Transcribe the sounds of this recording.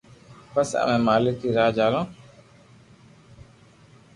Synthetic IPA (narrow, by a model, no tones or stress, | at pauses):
pəsə̰mẽːmaːlɪkiːɾaːd͡ʒaːlõː